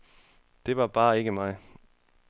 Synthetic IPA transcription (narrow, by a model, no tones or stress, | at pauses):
d̥e̝ʋɑ̈b̥ɑ̈ːe̝ɡ̥əmɑ̈ɪ